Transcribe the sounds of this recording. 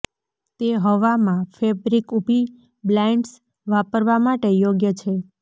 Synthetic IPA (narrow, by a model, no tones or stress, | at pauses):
t̪eɦəʋamãfebɾikubʱi | blɛɳɖs | ʋapəɾʋamaʈejoɡjət͡ʃʰe